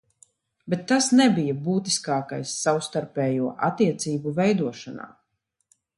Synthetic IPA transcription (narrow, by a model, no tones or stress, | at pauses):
bet̪ːasnɛbijabuːt̪i̥skaːkajsːawst̪aɾpʲɛːjuɔʔa̰t̪ːiɛt̪siːbuvɛjd̪uɔʃana̰ː